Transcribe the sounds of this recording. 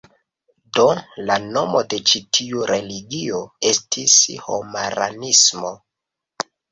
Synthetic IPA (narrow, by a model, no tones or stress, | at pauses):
do̞lano̞mo̞de̞t͡ʃitʰiuɾe̞liɡio̞e̞stʰisho̰maɾa̰nismo̞